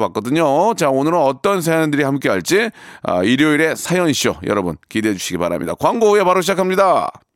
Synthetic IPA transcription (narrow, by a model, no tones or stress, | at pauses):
bak͈ʌdɯɲot͡ɕaonɯɾʌnʌt͈ʌnsʰajʌndɯɾihamk͈e̞ɦaɭt͡ɕ͈iʌ̰iɾjoiɾe̞sʰajʌɲiɕ͈o̰jʌ̰ɾʌbɯnkideɦed͡ʑuɕʰiɡipaɾa̰mɲḭda̰kwaŋɡoe̞paɾoɕʰid͡ʑakʰamɲida